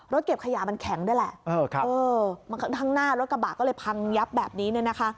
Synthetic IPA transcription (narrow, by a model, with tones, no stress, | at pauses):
ɾo˦˥t̪̚ke˨˩p̚kʰa˧jaː˩˦ma˧nkʰɛ˩˦ŋdaː˥˩jlɛ˨˩ʔʔɤː˧kʰa˦ʔɤː˧ma˧nkʰa˥t̪ʰa˥˩ŋnaː˥˩ɾo˦˥t̪̚ka˧baː˨˩k̚ɔː˥˩lɤ˧jpʰa˧ŋja˦˥p̚bɛː˨˩p̚niː˦˥nɯ˥˩na˦˥kʰa˦˥ʔ